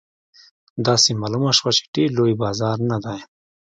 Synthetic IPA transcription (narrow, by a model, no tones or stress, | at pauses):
d̪ɑsemɑːlumaʃwat͡ʃe̥ɖeɾlojbɑːzɑɾnad̪aj